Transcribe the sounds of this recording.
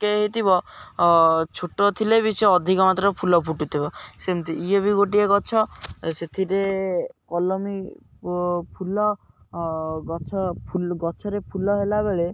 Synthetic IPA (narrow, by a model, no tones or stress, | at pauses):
keɦet̪ibɔ | t͡ʃʰoʈːot̪ʰilebit͡ʃʰɔɔd̪ʱikɔmat̪ɾɔpʰulɔpʰuʈut̪ʰibɔsemt̪iiebiɡoʈieɡɔt͡ʃʰɔset̪ʰiɾekɔlɔmi | pʰulɔ | ɡɔt͡ʃʰɔpʰuɡɔt͡ʃʰɔɾepʰulɔɦelabeɭe